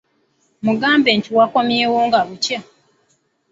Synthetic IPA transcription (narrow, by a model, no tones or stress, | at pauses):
muɡaːmbeːɲciwako̞mjeːwoːŋɡaβuca